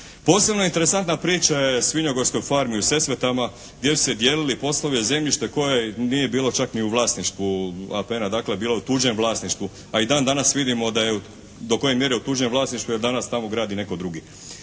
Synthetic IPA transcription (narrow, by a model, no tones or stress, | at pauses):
po̞ːse̞bno̞int̪e̞ɾe̞sant̪napɾiːt͡ʃajesʋiɲo̞ɡo̞ɾsko̞jfaɾmiuse̞sʋet̪ama | ɡd̪jesu̥sed̪jeːlilipo̞slˠoʋieze̞mʎiʃt̪e̞ko̞jeniːje̞biːlo̞t͡ʃakniuʋlˠaːsniʃt̪ʋuapenad̪aːkle̞biːlˠaut̪uːd͡ʒenʋlˠaːsniʃt̪ʋu | aid̪aːnd̪anasʋid̪imo̞d̪aje | d̪o̞ko̞je̞mje̞ɾeut̪uːd͡ʒenʋlˠaːsniʃt̪ʋuje̞ɾd̪anast̪amo̞ɡɾaːd̪ine̞ko̞d̪ɾuɡi